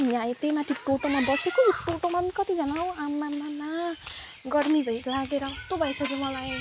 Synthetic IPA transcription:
miaet̪emat̪ʰiʈoʈomabʌsekojoʈoʈomankʌt̪id͡zʌnaõamːamana | ɡʌɽmibʱʌjlaɡeɾʌt̪obʱʌjsʌɾomʌlaj

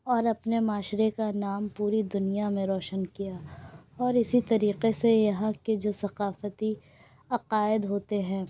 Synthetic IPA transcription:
ɔːɾɐpnemaːʃɾekanaːmpuːɾid̪ʊnijamẽɾɔːʃənkijaɔːɾɪsit̪ɐɾiːqesejɐɦãked͡ʒoːsɐqaːfət̪i | ɐqaːɪd̪ɦoːt̪eɦɛ̃ː

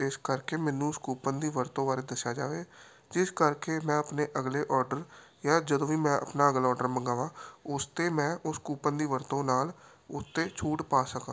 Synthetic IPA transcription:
ɪskəɾkeːmɛ̃ːnũːskuːpənd̪iːʋəɾt̪õːbaːɾeːd̪əsjaːd͡ʒaːʋeː | d͡ʒɪskəɾkeːmɛ̃ːəpneːʔəɡleːʔɔːɾɖəɾ | jaːd͡ʒəd̪õːiːmɛ̃ːʔə̰pnaːəɡlɔːɾɖəɾmə̃ŋɡaːʋãːʊst̪eːmɛ̃ːʔʊskuːpənd̪iːʋəɾt̪õːnaːl | ʊt̪ːeːt͡ʃʰuːʈpaːsəkã̰ː

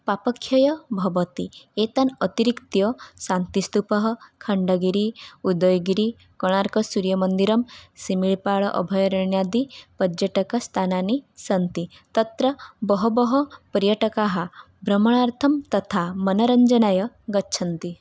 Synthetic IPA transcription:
papɔkʰːjɔjɐbʱɐʋɔt̪iet̪anɔt̪iɾikt̪jɔsant̪ist̪upɔɦɔkʰɐɳɖɔɡiɾiud̪ɔjɡiɾi | kɔɽ̃aɾkɔsuɾjɐmənd̪iɾɔmsimiɭpaɭɔʔɔ̰bʱɔjɔɾiɳjad̪ipɐd͡ʒəʈɐkɔst̪ʰananisɐnt̪i | t̪ɐt̪ɾɐbɔɦɔbɔɦɔpəɾjɐʈɐkaɦɐ | bɾɐmɔɽ̃aɾt̪ʰɐmt̪ɔt̪ʰamɐnɐɾɐɲd͡ʒɐnajɐ | ɡɐtːʃʰɐnt̪i

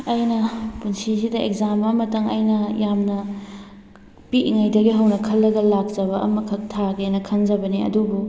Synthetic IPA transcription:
ɐjnɐpunsisidɐekzamɐmɐtɐŋɐ̰jnɐjamnɐ | piʔŋajdɐɡiɦɐwnɐkʰɐlːɐɡɐlak̚d͡ʒɐβɐʔɐ̰mɐkʰɐtʰaɡenɐkʰɐnd͡ʒɐbɐniɐ̰dubu

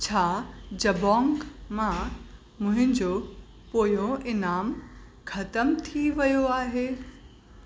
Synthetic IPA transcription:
t͡ɕʰaːd͡ʑɐbɔ̃ːŋɡmã | mʊ̃ɦɪ̃ɲd͡ʑo | poːjõʔɪnaːm | kʰɐt̪əmt̪ʰiʋɐjoaːɦeː

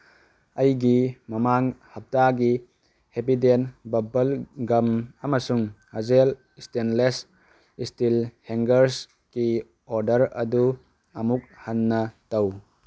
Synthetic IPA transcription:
ɐjɡimɐmaŋhɐp̚taɡi | hepidenbɐbɐlɡɐmɐmɐsuŋhɐzel | istenles | istilheŋɡɐɾs | ki | oɾdɐɾɐ̰du | ɐmuk̚hanːɐtɐw

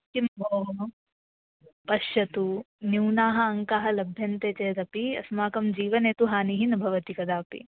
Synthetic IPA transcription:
kimboːɦ | pɐʃjɐt̪u | niwnaːɦɐɐŋkaːɦɐlɐbʱjɐnt̪eːt͡ʃɐjɐd̪ɐpiɐ̰smaːkɐmd͡ʒiːʋɐneːt̪uɦaːniɦinɐbʱɐʋɐt̪ikɐd̪aːpḭ

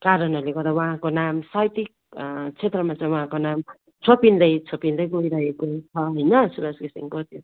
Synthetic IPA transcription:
kaɾʌnʌɾleɡʌd̪awʌ̃ɦãkonamsajt̪ik̚ | t͡sʰet̪rʌmat͡sʌ̃j̃wʌɦãkonam | t͡sʰopind̪ʌjt͡sʰopind̪ʌjɡojɾaɦekot͡sʰʌɦʌjnʌsubasɡisḭŋkʌt̪ʰjo

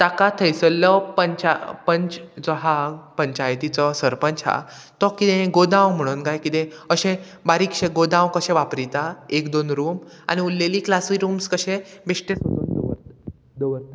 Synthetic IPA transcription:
t̪akat̪ʰəjsəlːɔpəɲt͡ɕapəɲt͡ɕd͡zɔɦapəɲt͡ɕajt̪it͡sɔsəɾpəɲt͡ɕa̰ | t̪ɔkit̪ẽɡod̪ãwm̤əɽ̃uːnkajkit̪ẽəɕẽ | baɾiːkɕẽɡod̪ãwkəɕẽʋapɾit̪aekd̪onɾuːma̰ñiulːeliːklasiɾuːmskəɕẽbeʂʈesot̪uːnd̪ɾ | d̪əʋəɾt̪a

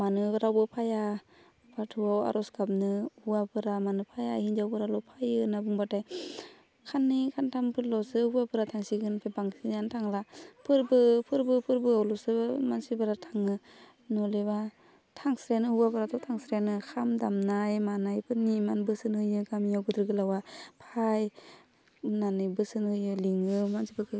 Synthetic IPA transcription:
manɯɾawbɯpʰaja | patʰɯawa̰ɾʔɔsɡap̚nɯhuabɯɾamanɯpʰajahind͡ʒawbɯɾalɔpʰajɯnabuŋbataj | kʰanːikʰantʰaŋpʰɯɾlɔsɯhuwapɯɾatʰaŋsiɡɯnpʰebaŋtʰinantʰaŋlapʰɯɾbɯpʰɯɾbɯpʰɯɾbɯawlɔsɯmansibaɾatʰaŋɯ | nɔleba | tʰaŋsɾjanɯhuwapɯɾatʰɔtʰaŋsɾjanɯkʰamdamnajmanajpʰɯnimanbɯsɯnhɯjɯɡamijawɡɯdɾɯɡɯlawapʰaj | nanɯjbɯsɯnhɯjɯliŋɯmansibɯɾkʰɯ

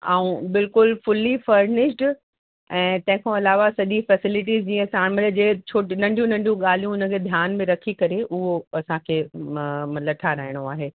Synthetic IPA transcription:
a̰ːũbɪlkʊlfʊlːifɐɾnɪʃʈ | ɛ̃ːt̪ɐ̃ɦɪ̃kʰãɐlaːʋasɐʄifɛsɪlɪʈ̬iːzd͡ʑiːə̃saːɽ̃mɐld͡ʑeːt͡ɕʰoːʈinɐ̃ɳɖʱijũnɐ̃ɳɖijũɠaːl̤ijũʊnə̆kʰeːd̪ʱjaːnmẽɾɐkʰikɐɾeʔʊɦoɐsãkʰeː | lɐʈʰaɾaɦɪɽ̃oaːɦeː

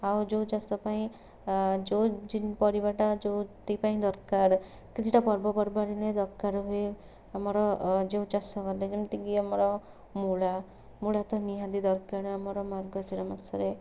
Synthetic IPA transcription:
awd͡ʒowt͡ʃasɔpaĩ | d͡ʒod͡ʒinpɔɾibaʈad͡ʒot̪ipaĩd̪ɔɾkaɾ | kit͡ʃʰiʈapɔɾbɔpɔɾbaɾined̪ɔɾkaɾɦue | amɔɾɔd͡ʒẽd͡ʒasɔkɔɾled͡ʒemt̪iɡiamɔɾɔ | mula | mulat̪ɔniɦãd̪id̪ɔɾkaɾamɔɾɔmaɾɡɔsiɾɔmasɔɾe

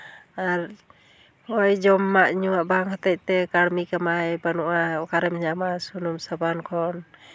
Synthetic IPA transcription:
aɾ | hɔjd͡ʒɔmːaʔɲuaʔbaŋhɔt̪ɛc̚t̪ɛkaɽmikamajbanuʔaɔkaɾɛmɲamasunumsabankʰɔn

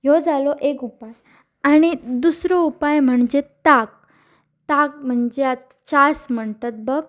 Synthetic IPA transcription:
jod͡zalɔʔekupaj | aɽ̃id̪usɾɔupajm̤əɳd͡ʑet̪ak̚ | t̪ak̚m̤əɳd͡ʑeat̪ | t͡ɕasm̤əɳʈ̪ət̪̚bəɡ

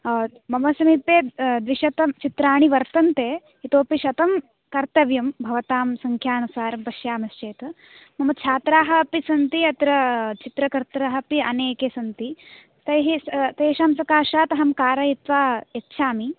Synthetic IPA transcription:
mɐmɐsɐmipeːd̪ʋiʃɐt̪ɐmt͡ʃit̪ɾaːɳ̃iʋɐɾt̪ɐnt̪eː | ɦit̪oːpiʃɐt̪ɐm | kɐɾt̪ɐʋjɐmbʱɐʋɐt̪aːmsɐŋkʰjaːnusaːɾɐmpɐʃjaːmɐst͡ʃeːt̪ɐ | mɐmɐt̪̚t͡ʃʰaːt̪ɾaːɦɐɐpisɐnt̪iɐt̪ɾɐt͡ʃit̪ɾɐkɐɾt̪ɾaɦɐpiɐneːkeːsɐnt̪i | t̪ɐjɦit̪eːʃaːmsɐkaːʃaːt̪ɐɦɐmkaːɾɐit̪ʋaːekʃʰaːmi

